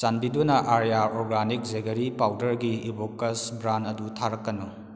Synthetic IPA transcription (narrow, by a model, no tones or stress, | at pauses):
t͡ʃanbidunɐʔaɾjaɾɔɾɡanik̚zeɡɐɾipawdɐɾɡiibokːɐsbɾanɐdutʰaɾɐkːɐnu